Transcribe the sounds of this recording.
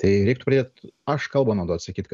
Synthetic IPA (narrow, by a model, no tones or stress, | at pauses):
t̪ɐɪɾɛˑɪkt̪ʊpɾɐd̪eːt̪ɐʃkɐlˠbʊnoːd̪oːɐt̪ʲsɐkʲiːt̪k